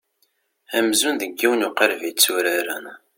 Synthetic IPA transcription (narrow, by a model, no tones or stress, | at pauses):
æmzunðəɡːiwənuqəɾvit͡sːuɾaɾæn